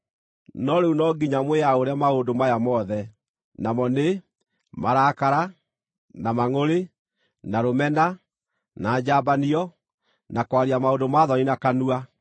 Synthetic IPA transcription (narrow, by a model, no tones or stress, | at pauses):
nɔɾeunɔɡiɲamwejaoɾeamaondomajamɔðɛ | namɔne | maɾaːkaɾa | namaŋoɾe | naɾomɛna | naːd͡ʑabaniɔ | nakwaɾiamaodomaːðɔninakanua